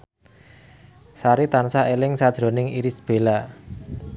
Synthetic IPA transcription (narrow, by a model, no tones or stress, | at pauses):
saɾit̪ansaʔelɪŋsad̥ʒ̥ɾo̤nɪŋiɾisb̥e̤la